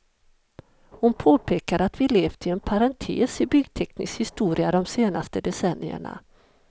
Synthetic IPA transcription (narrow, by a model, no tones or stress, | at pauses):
hʊnpʰoːpʰeːkaɾat̪vɪleːvt̪ʰɪɛnpʰaɾant̪ʰḛːsɪbʏɡt̪ʰɛknɪskhɪst̪uːɾɪad̪ɔmseːnast̪əd̪ɛsɛnːɪə̰ɳa̰